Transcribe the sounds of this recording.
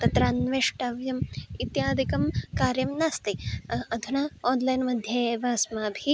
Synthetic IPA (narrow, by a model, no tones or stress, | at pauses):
t̪ɐt̪ɾaːnʋeːʂʈaʋjɐmit̪jaːd̪ʱikɐmkaːɾjɐmnaːst̪iɐd̪ʱunaːoːnlɐjnmɐd̪ʱjeʋɐːsmaːbʱi